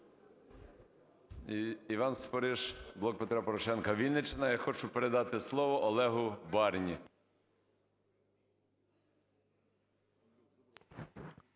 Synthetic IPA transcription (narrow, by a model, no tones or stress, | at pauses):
iʋɑnspɔɾɪʒblˠɔk̚pet̪ɾɑpɔɾɔʃɛnkɐʋʲinːɪt͡ʃenɐjɑxɔt͡ʃʊpeɾed̪ɑt̪ɪslˠɔʋɔʔɔlˠɛɦʊbɑɾnʲi